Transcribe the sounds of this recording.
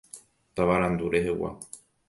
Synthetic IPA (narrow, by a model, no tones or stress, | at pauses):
t̪aʋaɾãnd̪uɾe̞ɦewa̰